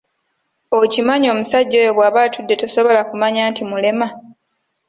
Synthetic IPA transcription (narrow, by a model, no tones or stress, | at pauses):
ocimaɲo̞ːmusaɟːoeβwaːβatʰudːe̞toso̞βo̞lakumaɲaːntimule̞ma